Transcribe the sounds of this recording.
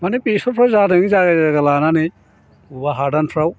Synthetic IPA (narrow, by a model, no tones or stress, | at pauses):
manipisɔpʰɾawzadɐŋizaɡazɡalananij | ubaɦaɾdanpʰɾaw